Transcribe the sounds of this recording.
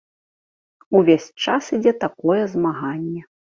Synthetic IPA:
uvʲesʲt͡ʂasid͡zʲɛt̪akɔjɛzmaɣanʲːɛ

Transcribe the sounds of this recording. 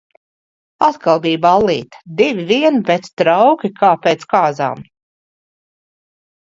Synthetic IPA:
at̪kʰalˠbiːbalˠːiːt̪ḁd̪ivʲiviɛnpet̪st̪ɾawkʲikʰaːpʲeːt̪skaːza̰ːm

